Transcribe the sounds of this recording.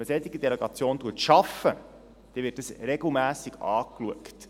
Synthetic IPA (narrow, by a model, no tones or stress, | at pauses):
əsɛt̪iɡidɛlɛɡɑt͡sjoːntuətʃɑfə | d̥ɛʋɪːt̚d̥əsɾɛɡl̩mæːsiɡɑːkluəkt